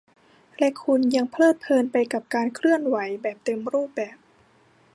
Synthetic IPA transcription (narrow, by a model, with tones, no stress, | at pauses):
lɛ˧˥ʔkʰu˧nja˧ŋpʰlɤː˥˩t̪̚pʰɤː˧npa˧jka˨˩p̚kaː˧nkʰɾɯ˥˩ənwa˩˦jbɛː˨˩p̚t̪e˧mɾuː˥˩p̚bɛː˨˩p̚